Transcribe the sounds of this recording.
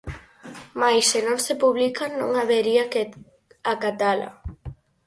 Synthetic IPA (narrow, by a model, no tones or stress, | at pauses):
majsenõnsepuβlikanõ̰ŋaβeɾia | akat̪ala̰